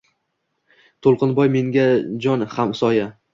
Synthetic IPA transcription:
t̪ʰolˠqɨnbɒjme̞ŋɡʲad͡ʒɒnhamsɒja

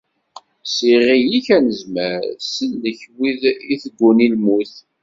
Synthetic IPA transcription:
siʁijiçænəzməɾsəlːəçwiðiθəɡʷːunilmuθ

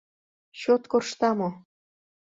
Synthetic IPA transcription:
ɕot̪korʃt̪ɑmo

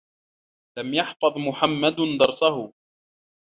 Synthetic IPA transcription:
lamjɑħfɑðˤmʊħamːad̪d̪ɑɾˤsaɦʊ

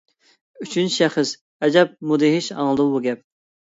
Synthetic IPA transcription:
yt͡ʃʰynt͡ʃʰʃɛχəs | ɛd͡ʒɛp̚mud̪ɪɦɪʃɑ̰ŋlˠɨd̪əbuɡʲɛp̚

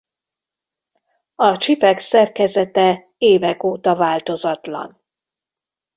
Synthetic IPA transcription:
ɒt͡ʃipɛksɛrkɛzɛt̪ɛ | eːvɛkoːt̪ɒvaːlt̪o̞zɒt̪lɒ̰n

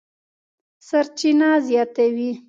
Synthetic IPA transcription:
saɾt͡ʃinazjɑt̪awi

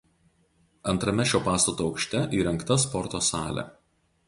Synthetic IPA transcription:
ɐnt̪ɾɐmʲɛʃʲoːpɑːst̪ɐt̪uːɒʊkʃʲt̪ʲɛʔiːɾɛŋˑkt̪ɐspɔɾt̪oːsɑːlʲɛ̰

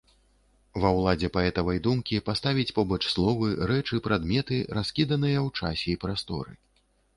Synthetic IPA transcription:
vɐwlˠad͡zʲɛpaɛt̪ɐvɐjd̪umkʲipast̪avʲit͡sʲpɔbɐt͡ʂslˠɔvɨɾɛt͡ʂɨpɾad̪mʲɛt̪ɨɾaskʲid̪ɐn̪ɨjɐwt͡ʂasʲɛipɾast̪ɔ̰ɾɨ̰

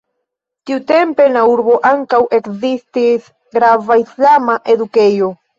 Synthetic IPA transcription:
t̪iut̪e̞mpe̞nauɾbo̞ʔaŋkawʔe̞kzist̪is | ɡɾavaislamaʔe̞d̪uke̞jo

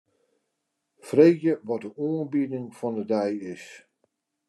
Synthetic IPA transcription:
freːkjəʋɔt̚dəuːənbidɪŋfɔndədɛjɪs

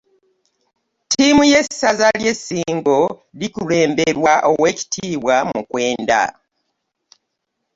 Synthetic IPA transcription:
tʰimuje̞sazalje̞sːiːŋɡo̞likule̞ːmbeɾwaʔowe̞ci̥tʰiːβwamukwe̞ːnda̰

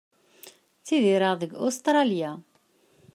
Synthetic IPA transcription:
θiðiɾəʁðəɡost̪ɾˤɑlja

